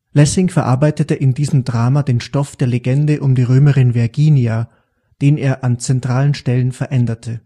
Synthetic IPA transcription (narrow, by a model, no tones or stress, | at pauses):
lɛsɪŋfɛɐʔaɐbaɪtətəʔɪndiːzəmdʁaːmadeːnʃtɔfd̥eːɐleɡɛndəʔʊmdiːʁøːməʁɪnvɪɐɡiːnia | d̥eːneːɐʔant͡sɛntʁ̥aːlənʃtɛlənfɛɐʔɛndɐtʰə